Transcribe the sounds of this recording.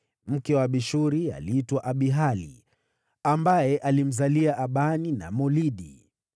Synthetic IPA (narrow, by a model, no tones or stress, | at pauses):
m̩kɛwaɓiʃuɾia̰liitwaʔaɓiɦalḭ | ambajɛʔalim̩zaliaʔaɓanina̰mɔliɗi